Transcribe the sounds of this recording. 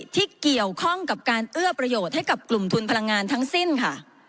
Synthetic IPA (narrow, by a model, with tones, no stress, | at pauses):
t̪ʰiː˥˩ki˨˩əwkʰɔ˥˩ŋka˨˩p̚kaː˧nʔɯ˥˩ɐəpɾa˧joː˨˩t̪̚ha˥˩jka˨˩p̚klu˨˩mt̪ʰu˧npʰa˧la˧ŋːaː˧nt̪ʰa˦˥ŋsi˥˩nkʰa˥˩